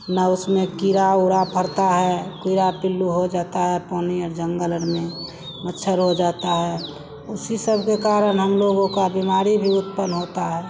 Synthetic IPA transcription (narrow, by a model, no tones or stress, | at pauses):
naʊsmẽkiɾaʊɽapʰəɾt̪aɦɛkiɾapɪlːuɦod͡ʒaːt̪aɦɛpɔːniəɾd͡ʒə̃ŋɡələnmẽ | mətːʃʰəɾɦod͡ʒaːt̪aɦɛ | ʊsisəbʱkekaːɾəɽɦəmloɡõkabimaːɾibʱiʊt̪pənɦot̪aɦɛː